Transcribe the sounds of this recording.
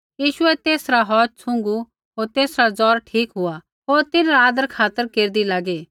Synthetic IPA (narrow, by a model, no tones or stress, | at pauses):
jiːʃʊɛt̪eːsɾaɦɔːt͡ʃ̚sʰʊ̃ŋɡu | ɦoːɾt̪eːsɾad͡zɔːɾʈʰiːkɦʊa | ɦoːɾt̪ɪnɾaːd̪əɾkʰaːt̪əɾkeːɾd̪ilaːɡe